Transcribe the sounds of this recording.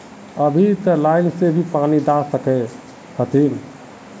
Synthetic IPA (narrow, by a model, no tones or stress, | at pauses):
əbʱit̪əlajnsebʱipanid̪asəkɛ | kʰət̪in